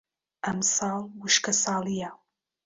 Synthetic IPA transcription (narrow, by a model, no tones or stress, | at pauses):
ʔɐmsɑːlˠwɨʃkɐsɑːlˠija